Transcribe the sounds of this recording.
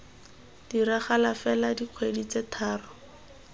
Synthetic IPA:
d̥iɾaχalafɛladiq͡χʰwedit͡setʰaːrɔ

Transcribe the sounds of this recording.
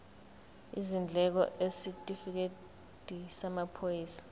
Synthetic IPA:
izind͡ɮʱɛk̬ɔ̰ʔesitʼifik̬e | dʼʱisamapʰojiːsḁ

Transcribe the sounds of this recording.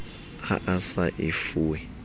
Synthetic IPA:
a̰ʔasaʔifuːwɛ

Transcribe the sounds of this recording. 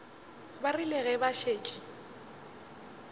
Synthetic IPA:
barilɛɣɛbaʃeːt͡ʃʼi̥

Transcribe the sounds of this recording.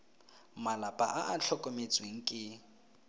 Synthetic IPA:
malapʼaʔaʔat͡ɬʰɔkʼɔmet͡sʼweŋ̩kʼɪ

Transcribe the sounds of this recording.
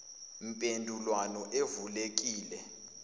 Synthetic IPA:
m̩pʼendʱulwanɔʔevulek̬iːlɛ

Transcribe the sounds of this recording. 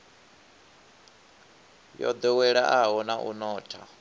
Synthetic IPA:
jɔ̰d̪ɔwɛɺaʔaɦɔnaʔṵnɔːtʰa

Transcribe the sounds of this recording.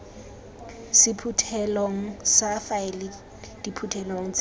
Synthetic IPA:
sɪpʰutʰɛlɔŋ̩safaɪlɪ | d̥ipʰutʰɛlɔŋ̩t͡s

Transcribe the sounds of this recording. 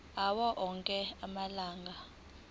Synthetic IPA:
awɔʔɔŋkʼɛamalaːŋɡʱa

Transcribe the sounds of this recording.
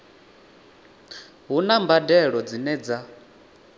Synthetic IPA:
ɦunambadɛɺɔd͡zinɛd͡za

